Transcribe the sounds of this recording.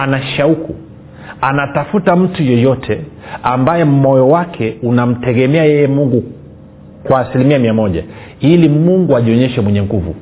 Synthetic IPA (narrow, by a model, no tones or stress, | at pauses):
anaʃauku | anatafutam̩tujɔjɔtʰɛ | ambajɛm̩mɔjɔwakʰɛunam̩tɛɠɛmɛajɛjɛmuŋɡu | kwaːsilimiamiamɔʄa̰ | ilimuŋɡuaʄiɔɲɛʃɛmwɛɲɛŋɡuvṵ